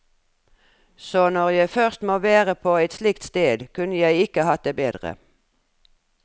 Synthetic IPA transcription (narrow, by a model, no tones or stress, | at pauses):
soːnɔʁjæɪfœʁst̪moːʋeːʁəpʰoːæɪt̪slɪkt̪st̪eːd̪kʰʉnəjæɪɪkəhɑt̪̚d̪eːbeːd̪ʁə̰